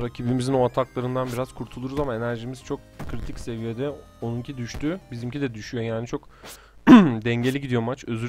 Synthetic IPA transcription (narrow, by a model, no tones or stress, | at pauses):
ɾacʰibimizino̞at̪ʰaklˠaɾɯnd̪anbiɾaz̥kʰuɾt̪ʰulˠuɾuzamae̞næɾʒimiz̥t͡ʃʰo̞k̚ | kʰɾit̪ʰicse̞vijed̪ɛ | o̞nuncʰid̪yʃt̪ʰybizimcʰid̪ɛd̪yʃyjo̞jaːnit͡ʃʰo̞k | d̪ɛɲɟe̞lʲiɟid̪ijo̞mat͡ʃø̞zy